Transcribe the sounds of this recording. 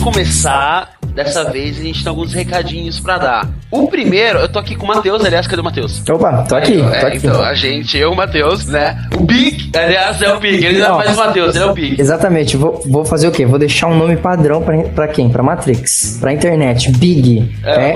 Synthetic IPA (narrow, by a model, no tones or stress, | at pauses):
kõmesa | d̪ɛsɐvejzɐʒẽnt͡ʃɪt̪ẽawɡũshekad͡ʒĩɲʊspɾɐd̪a | ʊpɾimejɾʊewt̪oakikõmat̪ewzaliasked̪eʊmat̪ewsowpɐt̪oakitɛoã̰t̪iɐ̰̃w̃a̰ʒẽt͡ʃɪeʊmat̪ewsnɛ | ʊbikaliasɛʊbiɡɪelɪ̃ɐ̃fajzʊmat̪ewzelɛʊbikezat̪ɐmẽt͡ʃɪvovowfazeɾʊkevod̪eʃaɾũnõmɪpad̪ɾɐ̃w̃pɾɐpɾɐkẽj̃pɾɐmat̪ɾiks | pɾɐĩnt̪eɾnɛt͡ʃɪ̥biɡɪ | ɛɛ